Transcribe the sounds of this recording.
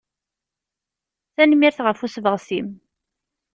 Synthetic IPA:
θænmiɾθʁəfusvəʁsim

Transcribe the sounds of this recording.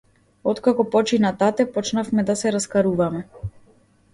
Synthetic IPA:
ɔt̪kakɔpɔt͡ʃinat̪at̪ɛpɔt͡ʃnafmɛd̪asɛɾaskaɾuvamɛ

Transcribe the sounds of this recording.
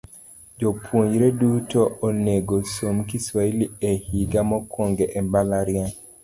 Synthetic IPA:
d͡ʒopʰwoɲɾedutooneɡosomkiswailiehiɡamɔkʰoŋɡeʔembalaɾjɛ

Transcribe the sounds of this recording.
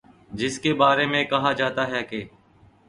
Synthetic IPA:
d͡ʒɪskeːbaːɾeːmẽːkɐɦaːd͡ʒaːt̪aːɦɛːkeː

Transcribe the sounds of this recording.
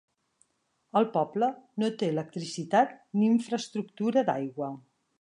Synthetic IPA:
əlˠpɔblənot̪eələk̚t̪ɾisit̪at̪̚niːɱfɾəst̪ɾuk̚t̪uɾəd̪a̰jɣwə

